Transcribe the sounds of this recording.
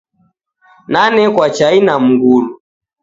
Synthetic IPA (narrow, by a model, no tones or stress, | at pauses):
nanɛkwat͡ʃainam̩ɡulu